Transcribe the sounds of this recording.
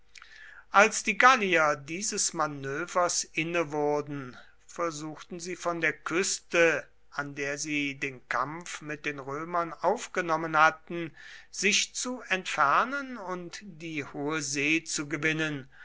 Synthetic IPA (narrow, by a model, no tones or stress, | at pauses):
ʔalsd̥iːɡaliɐdiːzəsmanøːvɐsʔɪnəvʊɐdn̩ | fɛɐzuːxtn̩ziːfɔndeːɐkʰʏstə | ʔandeːɐziːdeːnkʰamfmɪt̚d̥eːnʁøːmɐnʔaʊfɡ̥ənɔmənhatn̩z̥ɪʃt͡suɛntfɛɐnənʊntd̥iːhoːəzeːt͡suɡəvɪnən